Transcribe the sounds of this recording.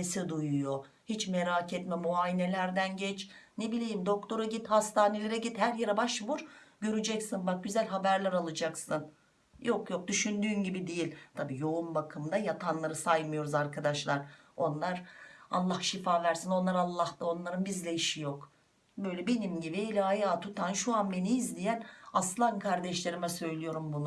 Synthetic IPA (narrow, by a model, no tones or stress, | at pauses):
esid̪ujujo̞ | hit͡ʃmeɾaːcɛt̪mɛmuaːjine̞lʲæɾd̪ænɟɛt͡ʃnebilʲejimd̪o̞kt̪ʰo̞ɾaɟit̪hast̪ʰaːnelʲeɾɛɟit̪hæɾjeɾɛbaʃbuɾɟø̞ɾyd͡ʒɛcsinbak̚ɟyzælʲɦabæɾlʲæɾalˠɯd͡ʒaksɯn | jʔokjo̞k̚d̪yʃynd̪yːnɟibid̪ejilʲt̪ʰabiːjo̞umbakʰɯmd̪ajat̪ʰanlˠaɾɯsajmɯjo̞ɾuzaɾkʰad̪aʃlˠaɾo̞nlˠaɾa̰lˠːahʃifaːvæɾsino̞nlˠaɾalˠːahd̪ao̞nlˠaɾɯnbizlʲɛiʃijo̞k | bø̞jlʲɛbe̞nimɟibielʲaajaːt̪ʰut̪ʰanʃuanbe̞niːzlʲijænaslˠankʰaɾd̪ɛʃlʲe̞ɾimɛsø̞jlʲijo̞ɾumbunu